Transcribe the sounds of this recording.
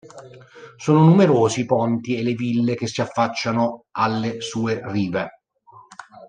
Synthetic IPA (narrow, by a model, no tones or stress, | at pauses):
soːnonumeɾoːzipɔnt̪ielːevilːek̟esːiafːat͡ʃːanoalːesuːeriːve